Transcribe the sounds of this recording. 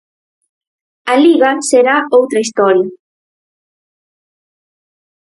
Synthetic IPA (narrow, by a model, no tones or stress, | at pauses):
aliɣaseɾaowt̪ɾaist̪ɔɾja